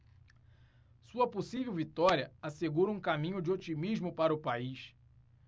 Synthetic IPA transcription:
suɐposivewvit̪ɔɾiɐaseɡuɾɐũkamĩɲʊd͡ʒɪot͡ʃimiʒmʊpaɾɐʊpaiʃ

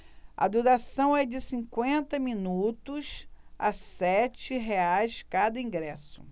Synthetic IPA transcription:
ɐ̰d̪uɾasɐ̃w̃ɛd͡ʒɪsĩkwẽnt̪ɐmĩnut̪ʊsa̰sɛt͡ʃɪɦeajskad̪ɐĩŋɡɾɛsʊ̥̰

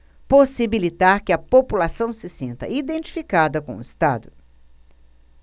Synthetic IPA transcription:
posibilit̪aɾkɪɐpopulasɐ̃w̃sɪsĩnt̪ɐ̰id̪ẽnt͡ʃi̥fikad̪ɐkõʊist̪a̰d̪ʊ

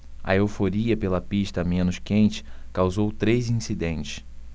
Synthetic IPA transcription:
ɐ̰ewfoɾiɐpelɐpiʃt̪ɐmẽnʊskẽnt͡ʃɪ̥kawzowt̪ɾejzĩsid̪ẽnt͡ʃɪ̥s

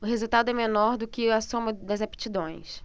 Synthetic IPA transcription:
ʊɦezuwt̪ad̪ʊɛmenɔɾd̪ʊkɪasõmɐd̪ɐzapi̥t͡ʃid̪õj̃s

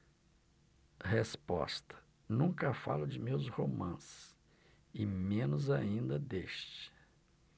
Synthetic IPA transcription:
hespɔ̰st̪ɐ̥ | nũkɐfa̰lʊd͡ʒɪmewshomɐ̰̃sɪ̥ | ɪmẽnʊzaĩnd̪ɐd̪eʃt͡ʃɪ̥

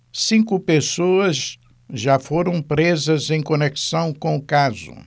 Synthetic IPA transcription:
sĩkʊpesoɐz | ʒafoɾɐ̃w̃pɾezɐzẽj̃koneksɐ̃w̃kõʊkazʊ̰

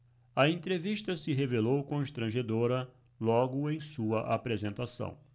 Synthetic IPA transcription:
ɐẽnt̪ɾeviʃt̪ɐsɪɦevelowkõʃt̪ɾɐ̃ʒed̪oɾɐ | lɔɡʊẽj̃suɐʔapɾezẽnt̪asɐ̰̃w̃

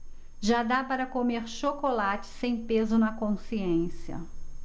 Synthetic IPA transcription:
ʒad̪apaɾɐkomeɾʃokolat͡ʃɪ̥sẽj̃pezʊnɐkõsiẽsiɐ̰

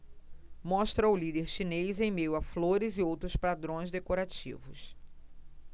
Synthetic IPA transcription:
mɔʃt̪ɾɐʊlid̪eɾʃinejzẽj̃mejʊafloɾɪzɪowt̪ɾʊspad̪ɾõj̃zd̪ekoɾat͡ʃḭvʊs

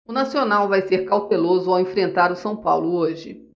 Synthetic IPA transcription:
ʊnasionawvajseɾkawt̪elozʊawẽfɾẽnt̪aɾʊsɐ̃w̃pa̰wlʊoʒɪ

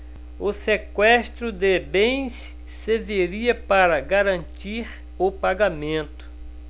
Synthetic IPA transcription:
ʊsekwɛst̪ɾʊd̪ebẽj̃sː | eveɾiɐpaɾɐɡaɾɐ̃nt͡ʃ̪iɾ | ʊpaɡamẽnt̪ʊ̥

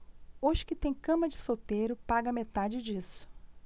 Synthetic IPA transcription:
oʒɪkɪt̪ẽj̃kɐ̃mɐd͡ʒɪsot̪ejɾʊpaɡɐmet̪ad͡ʒɪd͡ʒisʊ̥

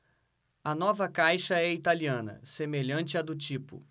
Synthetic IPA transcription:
ɐnɔvɐkajʃɐɛit̪aliɐ̃nɐ̰semeʎɐ̃nt͡ʃɪɐd̪ʊt͡ʃipʊ̰

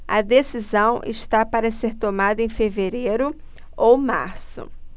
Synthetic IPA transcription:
ɐd̪esizɐ̃w̃ʔɪ̰ʃt̪apaɾɐseɾt̪omad̪ɐẽfeveɾejɾʊ | owma̰ɾsʊ̰

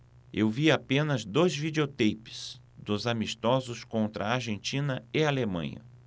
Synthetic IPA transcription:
ewviapẽnɐzd̪ojzvideot̪ejpɪ̥s | d̪ʊzamist̪ɔzʊskõnt̪ɾɐaɾʒẽnt͡ʃĩnɐɪalemɐ̰̃ɲɐ̰

